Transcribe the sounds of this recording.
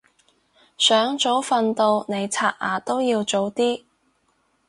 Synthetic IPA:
sœː˨˥ŋt͡ʃt͡so˨˥wfɐ˨˧nt̪o˧wne˨˧jt͡sʰaː˧˥t̚a̰ː˨˩t̪o˥wjiː˧wt͡ʃo˨˥wt̪iː˥

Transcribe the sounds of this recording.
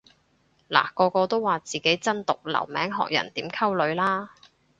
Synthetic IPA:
la̰ː˨˩kɔː˧kɔː˧t̪o˥wːaː˨t͡siː˨ke˨˥jt͡sɐ˥nt̪ʊ˨k̚lɐ̰˨˩wmɛː˨˥ŋɦɔ̰ː˨k̚jɐ̰˨˩nt̪iː˨˥mkʰɐ˥wlɵ˨˧ɥlaː˥

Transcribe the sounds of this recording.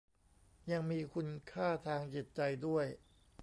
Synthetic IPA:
ja˧ŋmiː˧kʰu˧nkʰaː˥˩t̪ʰaː˧ŋt͡ɕi˨˩t̪̚t͡ɕa˧jdu˥˩əj

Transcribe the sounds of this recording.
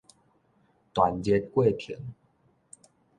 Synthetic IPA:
t̪wa˨nt͡ɕɛ˧˦t̪̚kwe˥˨pʰḭ˨˩˦n

